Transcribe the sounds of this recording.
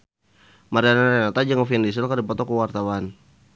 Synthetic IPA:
maɾianaɾanat̪ad͡ʒaŋɔfiandis̬əlkardipɔt̪ɔkuwart̪awan

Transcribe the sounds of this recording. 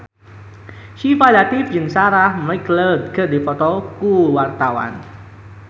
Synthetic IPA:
ʃifalat̪ɪfd͡ʒɨnsaɾahmakləd̪̚kədifɔt̪ɔkuwart̪awa̰n

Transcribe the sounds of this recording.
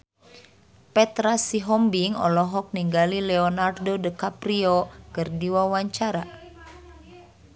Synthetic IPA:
pɛt̪ɾasiɦɔmbiŋɔ̰lɔɦɔk̚niŋɡalilɛɔnardodəkapɾiɔkərdiwawaɲt͡ʃaɾa

